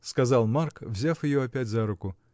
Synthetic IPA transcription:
skɐzɑlˠmarkvzʲafjɪjoɐpʲætʲzaɾʊkʊ

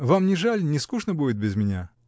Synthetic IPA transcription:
vamnʲɪʐalʲnʲɪskuʂnəbudʲɪt̪̚bʲɪzmʲɪnʲa̰

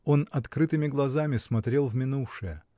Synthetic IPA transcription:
o̞nɐt̪kɾɨt̪ɨmʲɪɡlˠɐzamʲɪsmɐt̪ɾʲe̞lˠvmʲɪnufʂɨjə

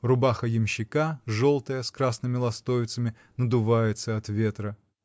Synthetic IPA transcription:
rʊbaxəjɪmɕːɪkaʐolˠt̪əjəskɾasnɨmʲɪlˠɐst̪ovʲɪt̪səmʲɪ | nəd̪ʊvajɪt̪səɐt̪vʲe̞t̪ɾə

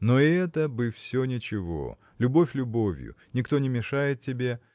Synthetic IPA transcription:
noɛt̪əbɨfsʲonʲɪt͡ɕɪvo̰ | lʲʊbofʲlʲʊbo̞vʲjʊ̰nʲɪkt̪o̞nʲɪmʲɪʂajɪt̪̚tʲːɪbʲe̞

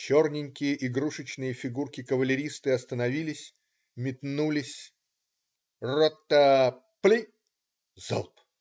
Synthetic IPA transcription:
t͡ɕo̞rnʲɪnʲkʲɪjəʔiɡɾuʂɨt͡ɕnɨjəfʲɪɡurkʲɪkəvəlʲɪɾʲist̪ɨɐst̪ənɐvʲilʲɪsʲ | mʲɪt̪nulʲɪsʲ | rot̪ːə | plʲi | zo̰lˠp

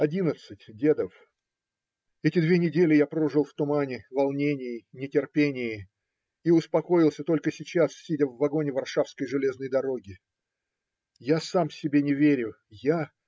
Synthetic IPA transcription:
ɐdʲinət̪sɨtʲdʲe̞d̪əf | ɛtʲɪd̪vʲe̞nʲɪdʲelʲɪjapɾo̞ʐɨlˠft̪ʊmanʲɪvɐlˠnʲenʲɪjɪnʲɪtʲɪrpʲenʲɪjɪ | iʊspɐko̞jɪlˠsʲət̪o̞lʲkəsʲɪt͡ɕassʲidʲəvːɐɡo̞nʲɪvɐrʂafskəjʐɨlʲe̞znəjd̪ɐɾo̞ɡʲɪ | jasamsʲɪbʲenʲɪvʲeɾʲʊ | ja

